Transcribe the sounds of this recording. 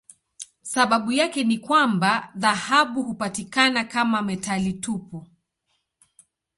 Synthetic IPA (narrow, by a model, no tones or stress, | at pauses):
saɓaɓujakɛnikwambaðahaɓuhupatikanakamamɛtalitupɔ